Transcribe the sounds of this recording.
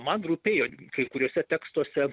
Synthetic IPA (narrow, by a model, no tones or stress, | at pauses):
mɐnruːpʲeːjoːkɐɪkʊɾʲoːsʲɛt̪ʲæːkst̪uɔsʲɛ